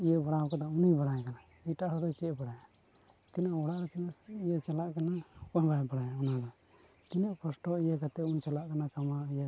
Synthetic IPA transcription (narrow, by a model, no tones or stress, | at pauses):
ijəbaɽawkad̪ɔunibaɽajakana | ɛjʈaʔɾɔd̪ɔt͡ʃɛʔbaɽaja | t̪inaʔɔɽaʔɾɛt̪inaʔijət͡ʃalaʔkanakɔnbajbaɽajaɔnad̪ɔ | t̪inaʔpʰɔsʈɔijakat̪ɛunt͡ʃalaʔkanakamaijə